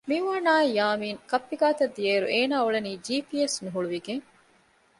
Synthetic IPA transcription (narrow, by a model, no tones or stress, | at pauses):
miʋaːnaːejaːmiːŋkɐpːiɡaːt̪ɐd̪ːieːɾṵʔeːnaːuɭeniːd͡ʒiːpiesnuɦuɭuʋiɡeŋ